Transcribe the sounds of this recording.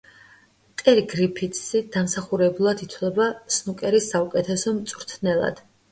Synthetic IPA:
t̪ʼɛɾiɡɾipʰit̪ʰʼsid̪̥amsaχuɾɛbulˠad̪it̪ʰwlɛbasnukʼɛɾisaukʼɛt̪ʰɛsɔmt̪sʼvɾt̪ʰnɛlˠa̰d̪̥

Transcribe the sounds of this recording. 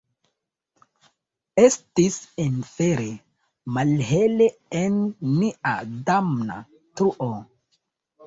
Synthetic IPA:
estisenfeɾe | malɦeleenːiʔa̰damna̰ | t̪ɾuʔo

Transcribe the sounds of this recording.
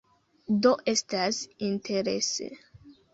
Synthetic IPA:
d̪oʔest̪asĩnt̪ʰeɾḛsḛ

